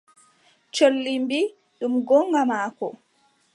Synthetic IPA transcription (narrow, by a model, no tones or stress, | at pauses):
t͡ʃolːimbi | ɗumɡɔŋɡamaːkɔ